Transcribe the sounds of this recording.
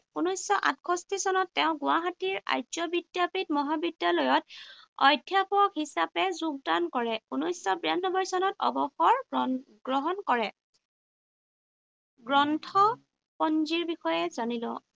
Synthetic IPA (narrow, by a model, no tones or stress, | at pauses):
unɔjsɔʔa̰tkʰɔstisɔnɔtːɛʊ̃ɡʊaɦatiɹa̰jzɔbidjapit̚mɔɦabidjalɔjɔt̚ɔ̰jdʱjapɔkhisapɛzuɡ̚dankɔɹɛunɔjsɔbɹianːɔbɔɹsɔnɔtɔ̰bɔxɔɹ | ɡɹɔɦɔnkɔɹɛ | ɡɹɔntʰɔ | pɔnziɹbixɔjɛzanilɔ̰